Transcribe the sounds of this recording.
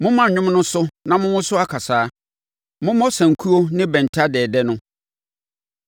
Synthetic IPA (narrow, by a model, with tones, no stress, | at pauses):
mʊ̃˦mã˦˨ɲᶣʊ̃˦mnʊ̃˦sʊ˦nã˨mʊ̃˦wʊ̃˦sʊ˦a˦kʰa˨saː˨˦ | mʊ̃˦mɔ˦sã˨ŋ̩˨kʰu˦o˦nɪ̃˦bɛ̃˨n˨tʰa˦dɛː˨dɛ˦nʊ̃˦